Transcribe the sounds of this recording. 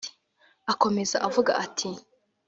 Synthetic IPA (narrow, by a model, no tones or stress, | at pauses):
ako̞me̞za̰ʔavuɡa̰ʔatʰi